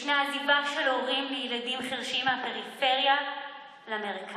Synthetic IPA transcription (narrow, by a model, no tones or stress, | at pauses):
ʃneazivaʃeloʁimlejeladimχiʁʃiimapeʁife̞ʁja | leameʁikʰa